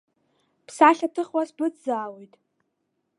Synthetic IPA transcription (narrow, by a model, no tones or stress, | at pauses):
pʰsaɬʲatʰɨχwasbɨt͡szaːwejtʼ